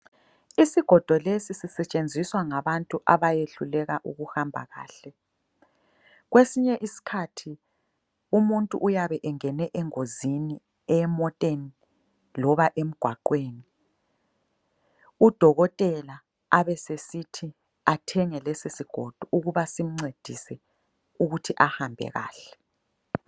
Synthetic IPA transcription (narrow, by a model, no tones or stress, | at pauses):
isiɡ̥ʱɔd̥ʱɔlesisisɛt͡ʃʼend͡zʱiswaŋaβantʼuʔaβajeɬulɛɣaʔuɣuhambʱa̰ɣa̰ːɬɛ | ɣwesiɲɛʔisi̥kʰatʰi | umuntʼṵʔujaβɛʔɛŋɛnɛʔɛŋozini | ɛmɔtʼeni | lɔβaʔem̩ɡ̥ʱwaǃweːni | ud̥ʱɔɣɔtʼɛla | aβɛsesitʰi | atʰɛŋɛlɛsisiɡ̥ʱod̥ʱuʔuɣuβasim̩ŋ͡ǀed̥ʱisɛ | uɣutʰiʔahambʱɛ̰ɣa̰ːɬɛ̥